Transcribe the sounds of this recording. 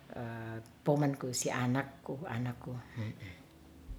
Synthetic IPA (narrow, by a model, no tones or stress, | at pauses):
əpomənkusiʔanakːuanakːum̩